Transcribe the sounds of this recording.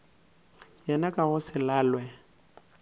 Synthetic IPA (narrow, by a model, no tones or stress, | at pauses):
jɛnakʼaɣʊsɪlaːlwɛ